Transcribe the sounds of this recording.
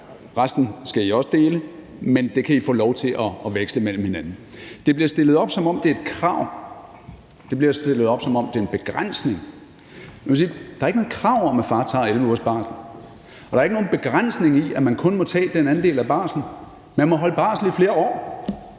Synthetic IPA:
ʁasd̥n̩sɡ̥æiɒ̽sd̥e̝ːləmend̥e̝kʰæifɔ̰ːlɒʊt͡sʰe̝ʔɒ̽ːʋeɡ̥sləmel̰m̩he̝nænn̩d̥e̝b̥liɐsd̥e̝lð̩ˠɒ̽b̥sɒ̽mɒ̽m̰d̥e̝ɐed̥̚kʰʁɑ̈ʊ̰ | d̥e̝b̥liɐsd̥e̝lð̩ˠɒ̽b̥sɒ̽mɒ̽md̥e̝ɐenb̥e̝ɡ̥ʁan̰sne̝ŋ | oʋesiːd̥ɑ̈ɐeɡəno̽ːð̩ˠkʰʁɑ̈ʊ̰ɒmæfɑ̈ːt͡sʰɑ̰̈ːelʋəuɐ̰sb̥ɑ̈ːsn̩ | ɒd̥ɑ̈ɐeɡ̥no̝ːn̩b̥e̝ɡ̥ʁan̰sne̝ŋiʔæmænkʰɔ̽nmɒ̽t͡sʰɛ̰ːd̥enæn̩d̥e̝̰ːlæb̥ɑ̰̈ːsn̩ | mænmɒ̽ɦɒ̽ləb̥ɑ̈ːsl̩ifle̝ːɐɒ̰ː

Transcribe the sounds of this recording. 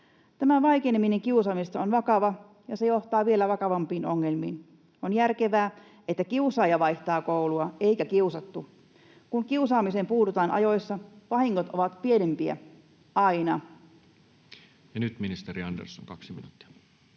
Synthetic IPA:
t̪æmæʋɑjkenemineŋkiusɑːmist̪ɑonʋɑkɑʋɑ | jɑse̞jo̞ht̪ɑːʋie̞læʋɑkɑʋɑmpiːno̞ŋːe̞lmiːn | ʔonjærke̞ʋæː | et̪ːækiusɑːjɑʋɑjht̪ɑːkowluɑejkækiusɑt̪ːu | kuŋkiusɑːmisempuːt̪ut̪ɑːnʔɑ̰jo̞jsːɑʋɑhiŋːot̪oʋɑt̪pie̞nempiæ̰ | ʔɑinɑ | jɑnyt̪minist̪eɾiɑndḛrso̰ŋkɑksiminut̪ːi̥ɑ̥

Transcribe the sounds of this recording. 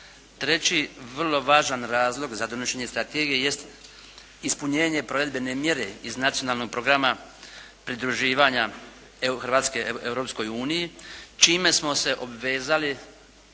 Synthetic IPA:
t̪ɾe̞t͡ɕiʋr̩lˠo̞ʋaːʒanɾaːzlˠo̞ɡzad̪o̞noʃeɲe̞st̪ɾat̪eɡijeje̞st̪ | ispuɲeːɲe̞pɾo̞ʋe̞d̪be̞ne̞mje̞ɾe̞iznat̪sionaːlˠnoɡ̚pɾo̞ɡɾama | pɾid̪ɾuʒiːʋaɲa | xr̩ʋaːt̪ske̞ewɾopsko̞juːnijit͡ʃiːme̞smo̞se̞ʔo̞bʋe̞ːzali

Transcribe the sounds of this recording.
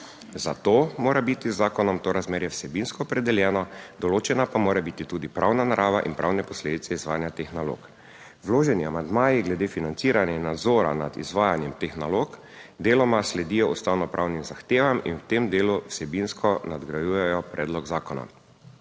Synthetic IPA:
zat̪oːmoːɾabit̪izːaːkɔnɔmt̪oːɾazmeːɾjɛwsɛbinskɔːpɾɛd̪ɛljɛːnɔd̪ɔloːt͡ʃɛnapamoːɾɛbit̪it̪uːd̪ipɾʔawnanaɾʔaːʋaʔinpɾawnɛpɔsleːd̪it̪sɛizʋaːjanjat̪eːxnalo̰k | wloːʒɛniamand̪maːjiɡlɛd̪eːfinant̪siːɾanjɛnːad̪zoːɾa̰na̰d̪ḭzʋaːjanjɛmt̪eːxnaloːk | d̪eːlɔmaslɛd̪iːjɔust̪awnɔpɾʔawnimzaxt̪eːʋamḭnwt̪emd̪eːluwsɛbinskɔnad̪ɡɾajuːjɛjɔpɾʔɛːd̪lɔɡzaːkɔna̰

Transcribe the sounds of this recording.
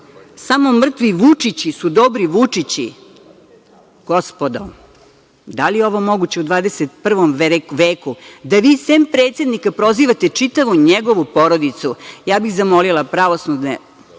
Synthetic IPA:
samo̞mr̩t̪ʋiʋut͡ʂit͡ɕisud̪obɾiʋut͡ʂit͡ɕḭ | ɡ̥ospod̪om | d̪alijeo̞ʋo̞mo̞ɡut͡ɕeud̪ʋaːd̪eset̪pr̩ʋomʋʋeːkud̪aʋiːseːmpɾet̪sed̪nikapɾo̞ziʋat̪e̞t͡ʂit̪aʋuɲeɡo̞ʋupo̞ɾod̪it̪sujaːbiɣzamolilˠapɾaʋosnud̪nḛ

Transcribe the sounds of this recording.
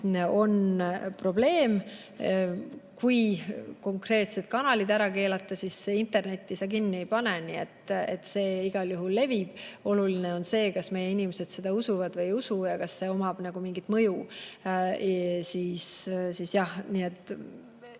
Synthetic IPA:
o̞npro̞b̥le̞ːm | kujko̞ŋkre̞ːt̪se̞t̪̚kɑnɑlid̪æɾɑke̞ːlɑt̪ːˑɑsisːeint̪e̞rne̞t̪ʲːˑisɑkinːie̞jpɑnenie̞t̪ːet̪ːse̞ːiɡ̥ɑljuɦulːe̞vib̥o̞lulineo̞nse̞ːkɑsme̞jeinimese̞d̪̥se̞d̪̥ɑusuvɑd̪̥vɤjusujɑkɑsːe̞o̞mɑb̥nɑɡ̥umiŋɡ̥it̪ːˑmɤju | siːssisjɑhniet̪ːˑ

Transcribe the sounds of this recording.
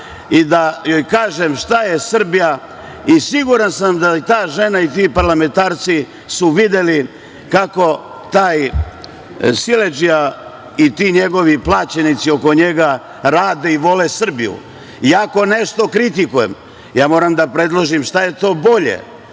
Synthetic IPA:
id̪ajo̞jkaːʒe̞mʃt̪aje̞sr̩bija | isiɡuɾansamd̪at̪aːʒe̞nait̪iːpaɾlame̞nt̪aːɾt̪si | suʋid̪e̞li | kako̞ | t̪aːj | sile̞d͡ʒija | it̪iːɲe̞ɡo̞ʋiplˠaːt͡ɕenit̪sio̞ko̞ɲe̞ɡa | ɾaːd̪e̞iʋo̞le̞sr̩bijṵ | iako̞ne̞ʃt̪o̞kɾit̪̬ikujem | jaːmo̞ːɾamd̪apɾe̞d̪lˠoʒimʃt̪aje̞t̪o̞ːbo̞ʎḛ

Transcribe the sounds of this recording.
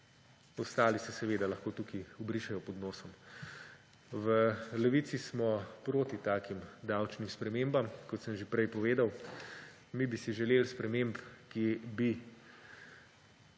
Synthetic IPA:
ɔst̪aːlisɛsɛʋeːd̪alɐxkoːt̪ukiɔbɾiʃɛjɔpɔd̪nɔːsɔm | ʋəlɛʋiːt̪sismɔpɾoːt̪it̪aːkimd̪awt͡ʃnimspɾɛmeːmbamkɔt̪səmʒepɾɛjpɔʋeːd̪aw | mibisiʒɛleːlspɾɛmempkibi

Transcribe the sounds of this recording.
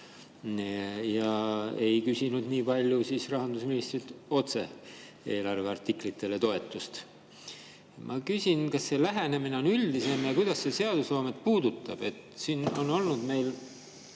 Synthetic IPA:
jɑe̞jkysinud̪niːpɑlʲjusiːsrɑɦɑnd̪usminist̪rit̪o̞t̪se̞̰ | e̞ːlɑrve̞ɑrt̪ːˑiklit̪ːˑe̞le̞t̪o̞e̞t̪ːˑust̪ | mʔɑ̰kysʲinkɑsːe̞læɦe̞ne̞mineo̞nylʲd̪ise̞mjɑkujd̪̥ɑsse̞se̞ɑd̪̥uslo̞ːmet̪puːd̪̥ut̪ːˑɑb̥e̞t̪siːno̞no̞lnud̪̥me̞jl

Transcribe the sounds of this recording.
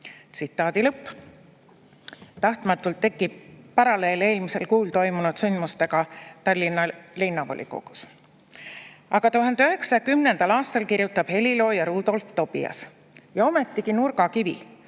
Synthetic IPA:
t̪sit̪ˑːɑːd̪ilɤpː | t̪ɑht̪mɑt̪ːˑult̪ːe̞kːˑib̥̚pɑɾɑle̞ːle̞ːlmise̞lkuːlt̪o̞jmunud̪̥synd̪must̪e̞ɡɑt̪ɑlʲːinːɑlinːɑvo̰lʲʔḭko̰ɡ̥u̥s | ɑɡ̥ɑt̪uɦɑnd̪eøɦe̞ksɑkymnend̪̥ɑlɑːst̪ɑlkirjut̪ːˑɑb̥he̞lilo̞ːjɑɾuːd̪̥o̞lft̪o̞b̥ḭɑ̰s | jɑo̞me̞t̪ːˑiɡinurɡ̥ɑkivḭ

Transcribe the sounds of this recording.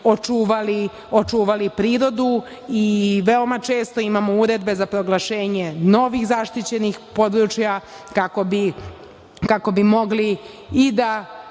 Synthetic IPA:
ot͡ʃuːʋali | o̞t͡ʃuːʋalipɾiːɾo̞d̪u | iʋe̞o̞mat͡ʃe̞ːst̪o̞imamouɾe̞d̪be̞zapɾo̞ɡlˠaʃe̞ːɲe̞no̞ʋiɣzaʃt̪it͡ɕe̞nixpo̞d̪ɾut͡ʃja | kakobi | kako̞bimo̞ɡliː | d̪a

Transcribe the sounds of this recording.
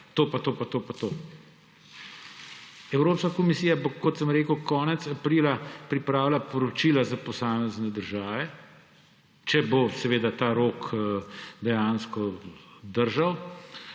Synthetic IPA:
t̪opat̪oːpat̪oːpat̪oː | ɛwɾoːpskakɔmisiːjabokɔt̪səmɾeːkəwkɔːnɛt̪sapɾiːlapɾipɾaːwlapɔɾɔt͡ʃiːlazapɔsaːmɛznɛd̪əɾʒaːʋɛ | t͡ʃɛbosɛʋeːd̪at̪aːɾoːk | d̪ɛjanskɔd̪əɾʒaw

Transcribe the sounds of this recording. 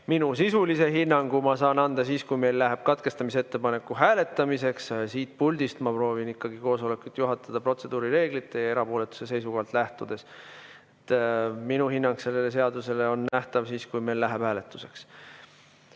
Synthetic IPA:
minusisulise̞ɦinːɑŋɡ̥umɑsɑːnɑnd̪̥ɑsiːskujme̞jlːæɦeb̥̚kɑt̪̚ke̞st̪ɑmise̞t̪ːepɑne̞kːuɦæːle̞t̪ːˑɑmise̞kssiːt̪̚pulʲd̪̥ist̪mɑpro̞ːvinikːɑɡ̥iko̞ːso̞le̞kːˑult̪juɦɑt̪ːˑɑd̪̥ɑpro̞t̪se̞d̪̥uːɾiɾe̞ːɡ̥lit̪ːˑe̞jɑe̞ɾɑpo̞ːle̞t̪u̥se̞se̞jsuɡɑːlt̪ˑlæht̪ud̪̥e̞s | et̪ːminuhinːɑŋkse̞lːe̞le̞se̞ɑd̪use̞le̞o̞nːæht̪ɑvsiːskujme̞jlːæɦeb̥hæːle̞t̪ːˑu̥se̞̥ks

